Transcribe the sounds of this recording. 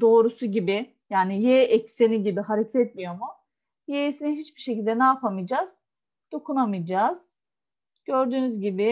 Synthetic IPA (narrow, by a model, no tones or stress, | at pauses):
d̪o̞ːɾusuɟibɪ | jaːnijeʔɛcseniɟibiɦaɾecʰet̪ʰɛt̪mijo̞mʊ | jeisiniɦit͡ʃbiɾʃecilʲd̪ɛnɛapʰamɯjd͡ʒaz̥ | d̪̥o̞kʰunamɯjd͡ʒaz̥ | ɟ̥øɾd̪yːnyzɟibɪ